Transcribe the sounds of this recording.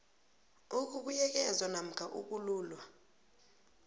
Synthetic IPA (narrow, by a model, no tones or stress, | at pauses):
uk̬uɓujɛk̬ɛzwanam̩kʰaʔuk̬ʼuluːlwa